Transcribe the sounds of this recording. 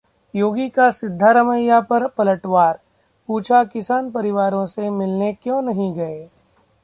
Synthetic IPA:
joːɡikasɪd̪ʱːaɾɐməjːapɐɾpɐləʈʋaːɾ | puːt͡ʃʰakɪsaːnpɐɾɪʋaːɾõsemɪlnekjõːnɐɦĩɡɐeː

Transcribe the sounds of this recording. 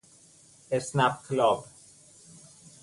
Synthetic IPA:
esnap̚kʰlɔb

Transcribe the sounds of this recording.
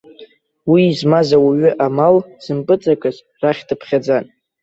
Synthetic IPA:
wiːzmazawaɥʏʔamalz̥ɨmpʼɨt͡sʼakʼɨz | raχʲdɨpʰχʲad͡zan

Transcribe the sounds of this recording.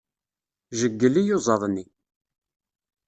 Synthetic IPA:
ʒəɡːəlːijozˤɑðˤnːi

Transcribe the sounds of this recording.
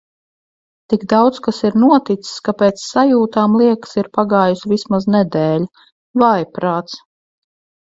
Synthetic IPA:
t̪iɡd̪awt̪skasiɾnuɔt̪it̪si̥skapeːt̪sːajuːt̪aːmlˠiɛksiɾpaɡaːjusvismaznɛd̪ɛːlʲ | vajpɾaːt̪s

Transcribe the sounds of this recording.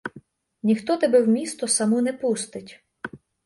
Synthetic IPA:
nʲixt̪ɔt̪ɛbɛwmʲist̪ɔsɐmɔnɛpust̪ɪtʲ

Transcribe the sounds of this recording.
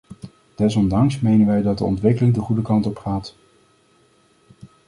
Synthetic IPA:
d̥ɛs̬ɔndɑŋsmejnənʋɛjdɑt̚də̰ɔ̰ntʋɪkəlɪŋdəχudəkɑntɔpχaːt

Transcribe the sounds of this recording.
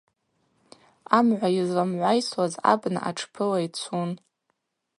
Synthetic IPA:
amʕʷajizlamʕʷajswaza̰bna̰ʔa̰ʈ͡ʂʰpʰɨlait͡sʷʰun

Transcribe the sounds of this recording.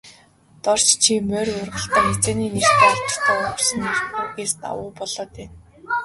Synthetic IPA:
t̪ɔr̥t͡ɕt͡ɕʰimœːrʊrʁə̆ɬt̪æːŋet͡seːniːnir̥t̪ːat͡ɕ̪ə̥̆t̪ʰæːʊsə̆nirt̪eɡeːst̪a̰wʊːpɔɮɔːt̪ʰeːn

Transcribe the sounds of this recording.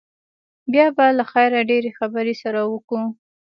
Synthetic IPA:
bjɑbalaxajɾaɖeɾexabəɾesaɾawəku

